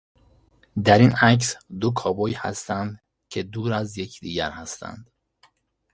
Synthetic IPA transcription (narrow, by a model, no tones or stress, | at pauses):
d̪æɾinæcsd̪okʰɒːbɒːjhæ̰st̪ænd̪ | cʰe̞d̪uːɾæzje̞cʰd̪iːɟæɾhæst̪æ̰nd̪̥